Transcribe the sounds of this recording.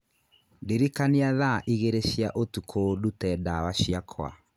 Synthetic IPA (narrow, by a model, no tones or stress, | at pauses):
ndeɾikaneaðaʔiɣeɾeɕjaʔotukʰodutɛdawaɕjakʰwa̰